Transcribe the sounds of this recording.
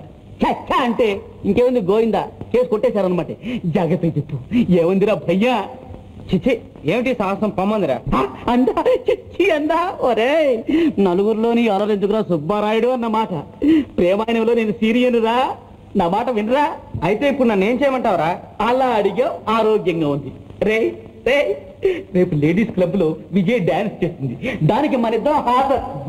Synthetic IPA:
t͡ʃɐt͡ʃːaɐɳʈe̞ː | iŋkeːmɐnd̪iɡoːjind̪a̰ːke̞ːsukoʈːɛːsaːɾɐnɐmɐːʈid͡ʒaːɡɐt̪ːut͡ʃepːueːmɐnd̪iɾaːbʱɐjːaː | t͡ʃit͡ʃi | eːmiʈisaːɐsɐmpɐmːɐnd̪iɾa̰ːaːɐnd̪aːt͡ʃet͡ʃːiɐnd̪aːoɾe | nɐluɡuɾuloːniɐlɐɾend͡ʒukuɾaːsubaːɾaːjɽuɐnːɐmaːʈɐ | pɾɛːmaːjɐnɐmlo̞ːneːnusiːɾijɐnɾaː | naːmaːʈɐʋiniɾaːɐjt̪e̞ːipːuɽunɐnːe̞ːmt͡ʃɛːjɐmɐɳʈaːʋɾaːɐlaːɐɽiɡaːaːɾoːɡjɐŋɡaːund̪iɾeː | ɾe | ɾe̞ːpule̞ːɖiːsklɐbuloːʋid͡ʒɐjɖjaːnst͡ʃe̞ːst̪ind̪id̪aːnik̬imɐnɐid̪ːɐɾɐɦaːt̪ɐ

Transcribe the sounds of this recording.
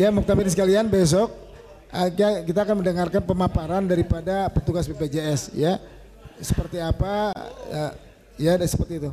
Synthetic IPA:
jamɔk̚t̪amidisəkalianbes̬ɔk̚ | ʔakkit̪aːkanməndəŋarkanpəmapaɾandaɾipadapət̪uɡaspeped͡ʒeɛsja | səpərt̪iapaə | jasə̥pərt̪iːt̪u

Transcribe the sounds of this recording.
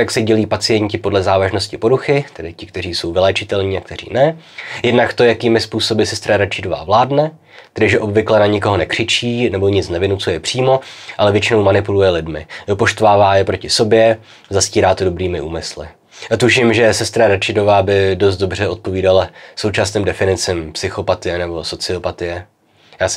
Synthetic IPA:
jaksɛɟɛliːpat͡sɪjɛɲcɪpodlɛzaːvaʒno̞scɪpo̞ɾuxɪt̪ɛdɪcɪkt̪ɛriːso̞wvɪlɛːt͡ʃɪt̪ɛlɲiːak̚t̪ɛrḭːnɛ | jɛdnakt̪o̞jakiːmɪspuːso̞bɪsɛst̪ɾaɾat͡ʃɪdo̞va̰ːvlaːdnɛ | t̪ɛdɪʒɛʔo̞bvɪklɛnaɲɪko̞ɦonɛkr̥ɪt͡ʃiːnɛbo̞ɲɪt͡snɛvɪnut͡sujɛpr̥iːmo̞ʔalɛvjɛt͡ʃɪnowmanɪpulujɛlɪdmɪopo̞ʃt̪vaːvaːjɛpɾo̞cɪso̞bjɛ | zasciːɾaːt̪odo̞bɾiːmɪʔuːmɪslɪ̰ | t̪uʃɪmʒɛsɛst̪ɾaɾat͡ʃɪdo̞vaːbɪdo̞s̬t̪̚do̞br̝ɛot̪̚po̞viːdalaso̞wt͡ʃasniːmdɛfɪnɪt͡sɪmpsɪxo̞pat̪ɪjɛnɛbo̞so̞t͡sɪo̞pat̪ɪjɛ | jaːs

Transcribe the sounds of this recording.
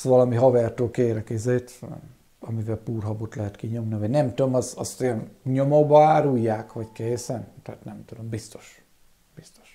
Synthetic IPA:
ʋɒlɒmiɦɒvɛrt̪øːlkeːɾɛkizeːt̪ | ɒmivɛlpuːrɦɒbot̪lɛɦɛt̪kiɲo̞mnivɒɟnɛmt̪ud̪omɒzɒst̪jɛnɲomobɒaːɾujːaːkʋɒɟkeːsɛnt̪ɛaːt̪nɛmt̪ud̪o̞mbist̪o̞̥ʃ | b̥ist̪o̥ʃ

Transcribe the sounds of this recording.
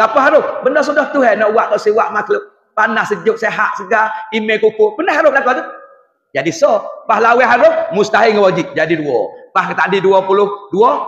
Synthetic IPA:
kapəɦaɾʊsbəndɔs̬udɔht̪uɦɛnɔʔuwaʔkaʔsiwaʔmaklʊp̚ | panahsəd͡ʒʊk̚seɦaʔsəɡaimɛkukʊbənaɦaɾʊlakat̪u | d͡ʒadisɔpahlawɛɦaɾʊhmust̪aɦiŋəwad͡ʒit̪̚d͡ʒadiduɔpahkət̪aʔdiduɔpulʊhduɔ

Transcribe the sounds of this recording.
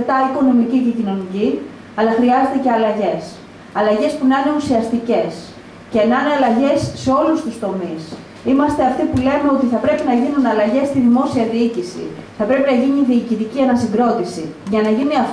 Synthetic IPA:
t̪ɐiko̞no̞micice̞cino̞nici | ɐlɐxɾiɐze̞t̪e̞ce̞ɐlɐʝe̞s | ɐlɐʝe̞spunɐne̞usiɐst̪ice̞s | ce̞nɐneɐlɐʝe̞sːe̞o̞lust̪ust̪o̞mis | imɐst̪e̞ɐft̪ipule̞me̞o̞t̪iθɐpɾe̞pinɐʝinunɐlɐʝe̞st̪iðimo̞siɐðiicisḭθɐpɾe̞pinɐʝiɲiðiːcit̪iciɐnɐsiɡɾo̞t̪isiʝɐnɐʝiniɐf

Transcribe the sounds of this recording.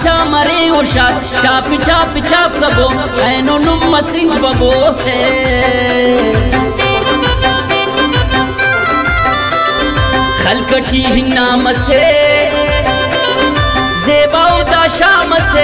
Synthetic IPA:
t͡ʃaːmɐɾeoʃaː | t͡ʃaːpit͡ʃaːpit͡ɕaːp̚kɐbo | ɐnonumːɐsiŋɡbɐboːhe | xɐlkɐʈiɦinːaːmɐse | zeːbaːud̪aːʃaːmɐse

